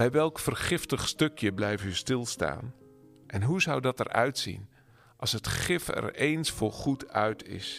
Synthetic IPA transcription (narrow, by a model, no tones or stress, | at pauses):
bɛjʋɛlˠkfərχɪftəχstɵkjəblɛjftystɪlˠsta̰ːn | ʔɛnɦuzʌwdɑtɛ̰rœ̰ɥtsḭn | ʔɑlˠsɦətχɪfɛ̰rejnsfʊːɹχutʰœɥtʰɪ̰s